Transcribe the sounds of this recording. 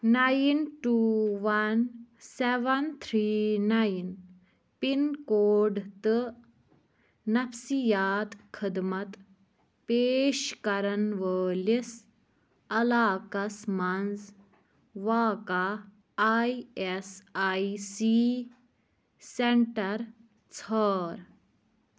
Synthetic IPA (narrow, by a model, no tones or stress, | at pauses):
najnʈuːʋɐnseʋɐnt̪ʰɾiːnajn | pinkoːɖt̪ɨ | nɐfsijaːt̪kʰəd̪mɐt̪ | peːʃkɐɾɐnʋəːlis | ɐlaːkɐsmɐnd͡z | ʋaːka | jesajsi | seɳʈɐɾ | t͡sʰəːɾ